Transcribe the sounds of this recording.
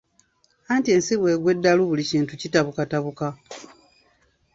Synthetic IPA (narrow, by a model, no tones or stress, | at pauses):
antie̞ːnsiβwe̞ːɡwe̞dːaluβuliciːntucitaβukataβuka